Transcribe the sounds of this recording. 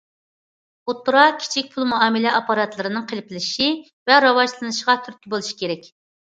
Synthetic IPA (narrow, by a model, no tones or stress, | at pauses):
ut̪ːuɾɑkʲʰi̥t͡ʃʰik̚ʲpʰulˠmuɑːmɨlɛʔɑpɑɾɑt̪lˠɨɾɨnɨŋqʰəlɪpʰlɪʃi | vɛɾɑwɑʃlˠɨnɨʃəʁɑt̪ʰyɾ̚ʲkʲʰibolˠuʃi̥kʲʰeɾɛkʲ